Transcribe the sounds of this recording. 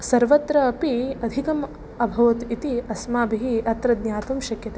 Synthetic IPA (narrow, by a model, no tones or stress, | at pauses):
sɐɾʋɐt̪ɾɐːpiɐd̪ʱikɐm | ɐbʱɐʋɐt̪it̪iɐsmaːbiɦiɐt̪ɾɐd̪nʲjaːt̪umʃɐkjɐt̪e